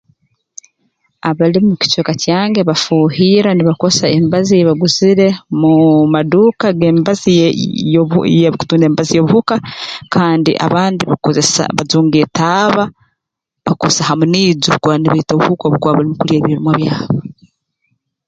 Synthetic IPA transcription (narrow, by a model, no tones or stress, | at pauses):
aβalimuci̥t͡ʃokacaːŋɡe̞βafuːhiːɾaniβakosaembazijeβaɡuziɾe̞mumadukaɡembazi | jeku̥tuːndeːmbazijoβuhukakʰaːndḭʔa̰βaːndiβakozesa̰βazuːŋɡetaβa | βakosahamuniːɟukwaniβaitoβuhukoβuɡwaːβalimukuljeːβiɾimwaβjaːβo